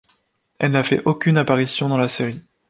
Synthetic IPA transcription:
ɛlnafɛ̰ʔokʲynapaʁisjɔ̃d̪ɑ̃laseʁi

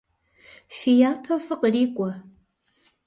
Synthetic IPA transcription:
fijapʰɐfɨqʼəɾikʷʼɐ

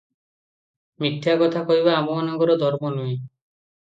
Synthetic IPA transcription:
mit̪ʰːiakɔt̪ʰakɔɦiβaːmɔanɔɡɔɾɔd̪ʱɔɾmɔnui

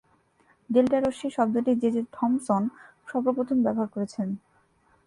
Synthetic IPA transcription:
ɖelʈaɾoʃiʃɔb̚d̪oʈid͡ʑed͡ʑeɾʈʰɔmsɔn | ʃɔbɾopɾot̪ʰombɛboɦaɾkoɾet͡ɕʰen

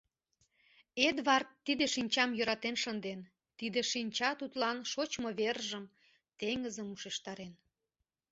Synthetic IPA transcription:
ed̪βɑrt̪ːid̪eʃinʲt͡ɕɑmjø̆ɾɑt̪enʃənd̪en | t̪id̪eʃinʲt͡ɕɑt̪ut̪lɑnʃot͡ɕmoβerʒəm | t̪eŋəzəmuʃeʃt̪ɑɾen

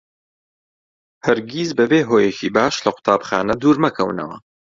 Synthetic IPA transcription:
hɐɾɡiːzbɐbeːɦoːjɛcʰiːbaːʃlɐqʊ̥t̪ʰaːbxa̰ːnɐd̪uːɾmɐkʰɐwnɐ̰wɐ̰

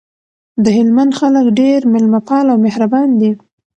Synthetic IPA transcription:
d̪əɦɪlmand̪xaləkɖeɾmɪlmapɑlawmehɾabɑnd̪i

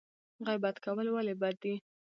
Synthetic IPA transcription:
ɣajbat̪kawəlwalebad̪ːi

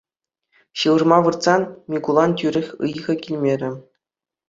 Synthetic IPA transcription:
ɕɯʋɤrmɑʋɯrt̪sɑnmʲiɡulˠɑntʲyɾʲɘ̆xʲɯ̰jʁɤ̆kʲilʲmʲeɾʲɘ̆

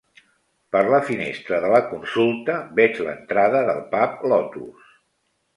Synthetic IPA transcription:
pəɾləfinḛst̪ɾəðələkunsulˠt̪əbɛd͡ʒlə̰nt̪ɾaðəðə̰lˠpaplɔt̪ṵs

